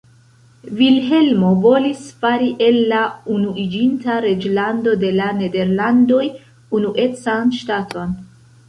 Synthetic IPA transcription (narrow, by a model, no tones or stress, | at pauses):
vilɦe̞lmo̞vo̞lisfaɾiʔe̞lːaunuid͡ʒintaɾe̞d͡ʒlando̞de̞lane̞de̞ɾlando̞j | unuʔe̞t͡sanʃtatʰo̞n